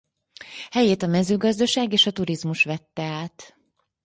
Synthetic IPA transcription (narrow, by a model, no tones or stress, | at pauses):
hɛjeːt̪ɒmɛzøːɡɒzd̪ɒʃaːɡeːʃɒt̪uɾizmuʃʋɛt̪ːɛaːt̪